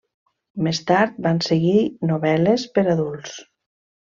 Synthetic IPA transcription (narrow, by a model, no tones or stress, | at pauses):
mest̪aɾt̪̚banseɣinoβɛlespəɾaðulˠs